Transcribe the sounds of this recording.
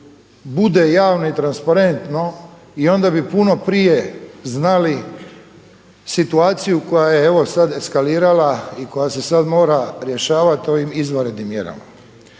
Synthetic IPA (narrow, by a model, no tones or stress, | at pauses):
bud̪e̞jaːʋno̞it̪ɾanspaɾe̞nt̪no̞ | io̞nd̪abipuno̞pɾijeznali | sit̪uaːt̪sijuko̞jajeeʋo̞sad̪e̞skaliːɾalaiko̞jase̞sad̪mo̞ːɾaɾje̞ʃaːʋat̪o̞ʋimizʋoɾe̞d̪nimːje̞̰ɾa̰ma̰